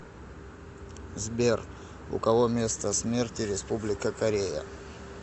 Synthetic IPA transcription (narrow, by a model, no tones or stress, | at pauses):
zbʲer | ʊ̰kɐvomʲe̞st̪əsmʲertʲɪɾʲɪspublʲɪkəkɐɾʲejə̰